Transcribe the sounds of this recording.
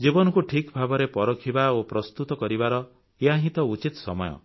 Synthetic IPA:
d͡ʒibɔnɔkuʈʰikbʱabɔɾepɔɾɔkʰibaopɾɔst̪ut̪ɔkɔɾibaɾɔ | eaɦĩt̪ɔut͡ʃit̪ɔsɔmɔjɔ̰

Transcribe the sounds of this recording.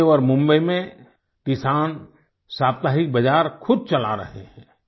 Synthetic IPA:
ɔːɾmʊ̃mbəimẽ | kɪsaːn | saːb̚t̪aːɦɪk̚bɐd͡ʒaːɾkʰʊd̪̚t͡ʃɐla̰ɾɐ̰ɦḛhɛ̰̃ː

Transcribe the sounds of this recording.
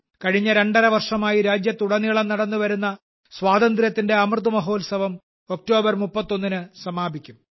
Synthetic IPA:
kɐɻiɲːɐɾe̞ɳɖɐɾɐʋɐrʂɐmaːjiɾaːd͡ʑjɐt̪ːuɽɐnːiɭɐnɐɽɐnːuʋɐɾunːɐ | swaːd̪ɐnd̪ɾjɐt̪ːinde̞ɐmrt̪ːumɐɦo̞ːlsɐʋɐm | o̞k̚to̞ːbɐrmupːɐt̪ːo̞nːinɨsɐmaːbʱikʲːum

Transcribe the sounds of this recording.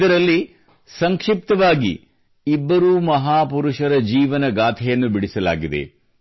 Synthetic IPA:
ɐɾɐlːi | sɐŋkʂip̚t̪ɐʋaːɡḭː | bːɐɾuːmɐɦaːpuɾuʂɐɾɐd͡ʒiːʋɐnɐɡaːt̪ʰɛjɐnːubiɽisɐla̰ːɡid̪ḛ

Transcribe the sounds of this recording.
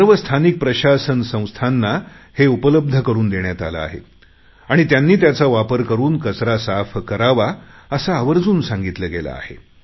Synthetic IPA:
əɾʋəst̪ʰanik̚pɾəɕasənsə̃w̃st̪ʰanːa | heupələb̚d̪ʱəkəɾuːnd̪eɳjat̪a̰la̰ːɦḛ | aɽ̃it̪janːiːt̪jat͡saʋapəɾkəɾuːnkət͡sɾasafkəɾaʋa | əsaːʋəɾd͡zuːnsaŋɡit̪ləɡela̰a̰hḛ

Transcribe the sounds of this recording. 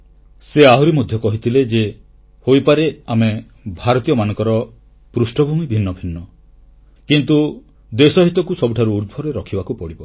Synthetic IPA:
seaɦuɾimɔd̪ʱjɔkɔɦit̪ʰiled͡ʒe | hojpaɾeame | bʱaɾɔt̪ijɔmanɔ̃ŋkɔɾɔ | pɾusʈɔbʱumibʱinːɔbʱinːɔ | kint̪u | d̪esɔɦit̪ɔkusɔbuʈʰaɾuːɾd̪bʱɔɾeɾɔkʰibakupɔɽibɔ

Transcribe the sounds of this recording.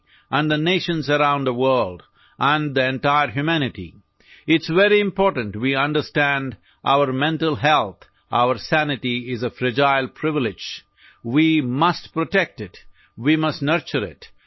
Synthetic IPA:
ʔə̃nd̪əneɪʃə̃nzəɾãʊ̃nðəwə˞ld | ʔə̃nðiɛ̃nʈaɪəɾɦjʉmænɪʈḭ | ɪtsʋɛɾiɪ̃mpɔɾʈə̃ntwiʌ̃nɖə˞stæ̃nd | ʔa̰ʊəɾmɛ̃ntəl̩ˠɦɛlˠt̪ | ʔa̰ʊəɾsænɪʈiɪzəfɾɪd͡ʒaɪlˠpʰɾɪvɪlɪd͡ʒ | wimʌstpɹotɛk̚tɪt | wimʌstnəɾt͡ʃəɾɪ̰t

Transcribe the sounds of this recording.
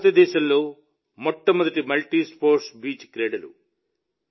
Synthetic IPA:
t̪ɐd̪ɛːʃɐmlo̞ː | mɔʈːɐmɐd̪ɐʈimɐlʈiːspoːɾsbiːt͡ʃkɾeːɽɐlṵ

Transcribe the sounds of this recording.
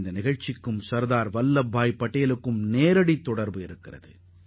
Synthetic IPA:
nd̪ɐnɪɣɐɻt͡ʃːɪkːɯmsɐɾðaːɾʋɐlːɐbʱːaːjpːɐʈːɐjɐlɯkːɯmneːɾɐɽit̪ːɔɽɐɾbɯɪɾɯkːɪrɐ̰ðɯ̰

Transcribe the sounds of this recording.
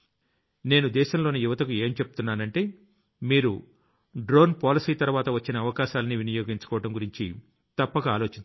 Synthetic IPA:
ne̞ːnud̪ɛːʃɐmlo̞ːnijuʋɐt̪ɐkue̞ːmt͡ʃe̞b̚u̥t̪unːaːnɐɳʈe̞ː | miːɾu | ɖɾo̞ːnpaːlɐsiːt̪ɐɾuʋaːt̪ɐʋɐt͡ʃːinɐːʋɐkaːʃaːlɐniʋinɐjo̞ːɡiɲt͡ʃɐ̥kɔːʋɐʈɐmɡuɾiɲt͡ʃi | t̪ɐpːɐɡɐaːlo̞ːt͡ʃint̪

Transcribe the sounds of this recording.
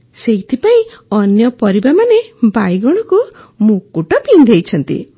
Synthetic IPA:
seɦit̪ʰipaĩɔnjɔpɔɾibamanebajɡɔɽ̃ɔkumũkuʈɔpind̪ʱejt͡ʃʰɔnt̪ḭ

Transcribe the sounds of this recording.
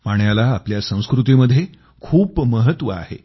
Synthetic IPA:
paɳjalaːpljasə̃w̃skɾut̪iməd̪ʱːje | kʰuːpməɦət̪ːʋəa̰ɦḛ

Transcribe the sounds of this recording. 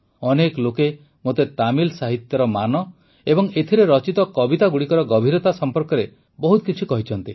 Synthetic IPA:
ɔnekloke | mot̪et̪amilsaɦit̪jɔɾɔmanɔ | ebɔŋet̪ʰiɾeɾɔt͡ʃit̪ɔkɔbit̪aɡuɽikɔɾɔɡɔbʱiɾɔt̪asɔmpɔɾkɔɾe | bɔɦut̪ɔ̥kit͡ʃʰikɔɦit͡ʃʰɔnt̪i

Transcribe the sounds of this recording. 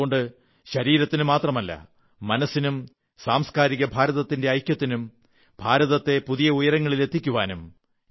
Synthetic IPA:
oɳɖɨ | ɕɐɾiːɾɐt̪ːinɨmaːt̪rɐmɐlːɐ̰ | mɐnɐsːinum | saːmskaːɾiɣɐbʱaːɾɐðɐt̪ːinde̞ɐjkʲjɐt̪ːinum | bʱaːɾɐðɐt̪ːe̞puðijɐujɐɾɐŋːɐɭile̞t̪ʰːikʲːuʋaːnum

